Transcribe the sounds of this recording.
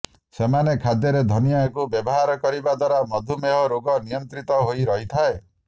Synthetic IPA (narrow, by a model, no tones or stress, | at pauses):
semanekʰad̪jɔɾed̪ʱɔnijakubjɔbɔɦaɾɔkɔɾibad̪waɾamɔd̪ʱumeɦɔɾoɡɔnijɔnt̪ɾit̪ɔɦojɾɔɦit̪ʰae